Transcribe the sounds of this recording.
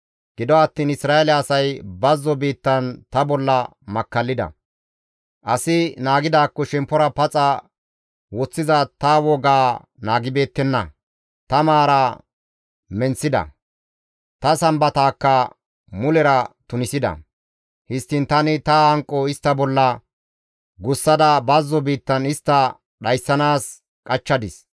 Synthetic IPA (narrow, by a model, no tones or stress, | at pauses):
ɡ̥ɪd̪ɔɐt̪ːiːnɪsɾaːelɛːsɐjbɐzːɔbiːt̪ːɐnt̪ɐbɔlːɐ | mɐkːɐlːɪd̪ɐ̰ | ʔɐsɪnaːɡɪd̪aːkːɔʃɛmpːɔɾɐpɐt͡sʼɐ | wɔt͡sːɪzɐt̪ɐwɔɡaː | naːɡɪbe̞ːt̪ːɛnːɐ̰ | t̪ɐmaːɾɐ | mɛnsɪd̪ɐ̰ | t̪ɐsɐmbɐt̪aːkːɐ | mʊlɛɾɐt̪ʊnɪsɪd̪ɐ̰ | hɪst̪ːɪnt̪ɐnɪt̪ɐhɐŋkʼːɔɪst̪ːɐbɔlːɐ | ɡʊsːɐd̪ɐbɐzːɔbiːt̪ːɐnɪst̪ːɐ | ɗɐjsːɐnaːs | kʼɐt͡ʃːɐd̪ɪs